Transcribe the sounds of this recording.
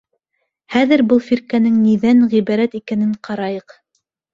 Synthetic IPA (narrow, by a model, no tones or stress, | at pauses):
χæðɘ̆ɾbɤlˠfiɾkænɘŋniðænʁiβɑɾæt̪ikænɘɴqɑɾɑjɤq